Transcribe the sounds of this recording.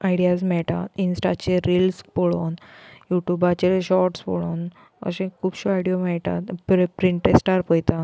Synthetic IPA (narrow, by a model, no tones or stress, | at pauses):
aiɽijas̬mɛɭʈ̪a̰t̪insʈat͡ɕeɾilspoɭonjuʈjubat͡ɕelɕɔɾʈspo̰ɭon | ə̰ɕẽkʰuːbɕoajɽijomɛɭʈ̪a̰t̪pɾpɾiɳʈesʈaɾpəjt̪a